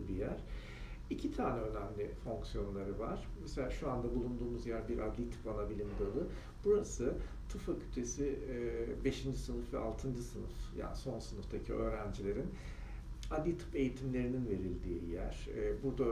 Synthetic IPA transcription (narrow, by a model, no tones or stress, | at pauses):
bijæɾ̥ | icʰit̪ʰaːnɛø̞næmlʲifo̞ŋksijo̞nlˠaɾɯva̰ɾ̥meselʲaːʃuand̪abulˠund̪uːmuzjæɾbiɾʔad̪lʲit̪ʰɯ̥panabilʲimd̪ɯlˠɯ | b̥uɾasɯ | t̪ʰɯfacʰy̥t̪ʰe̞si | be̞ʃind͡ʒisɯnɯfvɛ̰ʔalˠt̪ʰɯnd͡ʒɯsɯnɯ̰fja̰ːnso̞nsɯnɯfd̪ʰacʰiø̞ːɾænd͡ʒilʲe̞ɾin | ad̪ʲit̪ʰɯ̥pe̞jit̪ʰimlʲe̞ɾininve̞ɾilʲd̪iːjæ̰ɾ̥ɛːbuɾd̪a